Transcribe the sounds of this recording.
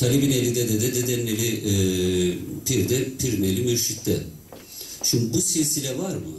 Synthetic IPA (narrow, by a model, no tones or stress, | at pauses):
t̪ʰalʲibinelʲid̪ɛd̪ɛd̪ɛd̪ɛd̪ɛnːelʲiɛ | pʰiɾd̪ɛpʰiɾnelʲimiɾʃit̪ːɛ | t͡ʃʰunbusijesilʲɛvaɾmɯ